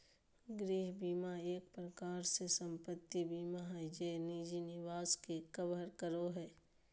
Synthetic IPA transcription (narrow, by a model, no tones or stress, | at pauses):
ɡɾiːɦbiːmaeːk̚pɾəkaːɾsesə̃mpət̪ːibiːmaɦɛd͡ʒeːniːd͡ʒinɪʋaːskekəbəɾkəɾoɦɛː